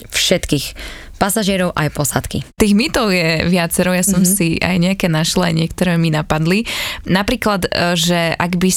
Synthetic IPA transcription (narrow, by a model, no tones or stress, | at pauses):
fʃɛt̪kiːx | pasaʒɪɛɾɔʊʔajpɔsat̪kḭt̪iːɣmit̪ɔʊjɛʋɪat͡sɛɾɔʊjasɔmsiʔa̰jɲɛakɛːnaʃl̩a̰jɲɪɛk̚t̪ɔɾɛːminapad̪linapɾiːklad̪ʒɛʔaɡbi